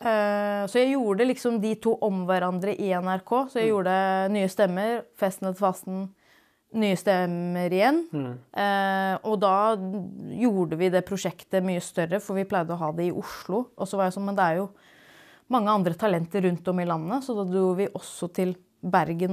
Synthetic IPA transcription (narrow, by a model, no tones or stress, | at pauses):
sɔjæɪjuːɖəlɪksɔmd̪ɪt̪ʰuːʔɔmʋæɾɑnd̪ɾəʔɪɛnæɾkʰoːsɔjæɪjuːɾɖəd̪ɛnyːəst̪ɛmːəɾfɛst̪ənət̪ʰfɑst̪n̩ | nyːəst̪ɛməɾɪjɛnː | ʔɔd̪ɑː | juːɖəʋɪd̪ɛːpʰɾʊʂɛkt̪əmyːəst̪œɾəfɔɾʋɪpʰlæɪd̪əɔɦɑːd̪ɛɪʔʊʂɭʊʔɔsɔʋɑɾjæɪsɔnːmɛnd̪ɛæɾjʊ | mɑŋːəɑnd̪ɾət̪ʰɑlɛnt̪əɾːʉnt̪ɔmɪlɑnːəsɔd̪d̪ːʋɪʔɔsːɔt̪ʰɪl | bæɾɡən